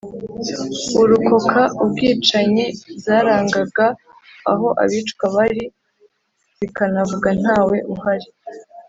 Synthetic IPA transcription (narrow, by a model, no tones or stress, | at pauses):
uɾuko̞kʰaubɡiːt͡ʃaɲezaːɾaːŋɡaɡaː | ɦo̞ʔa̰βiːt͡ʃkaβaɾi | z̥ikanavuɡan̥haːwe̞ʔuɦaɾi